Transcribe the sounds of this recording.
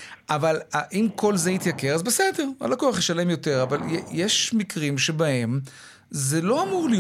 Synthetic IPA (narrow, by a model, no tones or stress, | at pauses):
ʔavalaʔimkʰo̞lzeit̪jake̞ʁazbesedeʁa̰lakoaχjeʃale̞mjo̞te̞ʁavaljejeʃmikʁimʃebahe̞m | zelo̞amuʁlij